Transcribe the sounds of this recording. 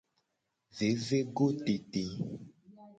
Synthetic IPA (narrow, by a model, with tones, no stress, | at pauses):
ve˨˦ve˦ɡo˦t̪e˨t̪e˨